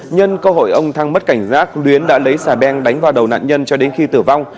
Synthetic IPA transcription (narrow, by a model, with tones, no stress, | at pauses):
ɲə˧nkə˧ɦo̰˧˨jʔə˧wŋ͡mt̪ʰa˧ŋmə˦˥t̚ka˧˩jŋ̟zaː˦˥k̚lwi˨˦ənɗa̰ː˧˥lə˨˦jsaː˧˩ɓɛ˧nɗa˨˦jŋ̟vaː˨˩wɗə˨˩wna̰ː˧˨nɲə˧nt͡ɕɔ˧ɗe˨˦nxi˧t̪ɨ˧˩va˧wŋ͡m